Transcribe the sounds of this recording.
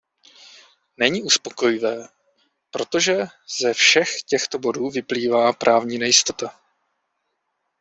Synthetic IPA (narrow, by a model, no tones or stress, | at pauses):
nɛɲiːʔuspo̞ko̞jɪvɛː | pɾo̞t̪o̞ʒɛ | z̥ɛfʃɛxcɛxt̪o̞bo̞duːvɪpliːvaːpɾʔaːvɲiːnɛjɪst̪o̞t̪a